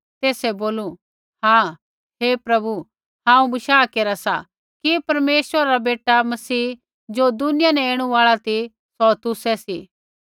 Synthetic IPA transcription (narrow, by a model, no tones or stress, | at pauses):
t̪eːsɛboːlu | hãː | ɦeːpɾɐbu | ɦãːũbɐʃaːkeːɾasa | kipɐɾmeːswəɾaɾabeːʈamɐsiː | d͡ʒoːd̪ʊnɪjanɛeːɽ̃ũaːɭat̪ʰi | sɔt̪ʊsɛsi